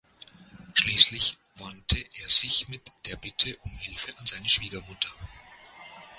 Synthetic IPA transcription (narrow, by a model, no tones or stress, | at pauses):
ʃliːslɪç | v̥antʰəʔeːɐzɪçmɪtd̥eːɐbɪtʰəʔʊmhɪlfəʔanzaɪnəʃv̥iːɡɐmʊtʰɐ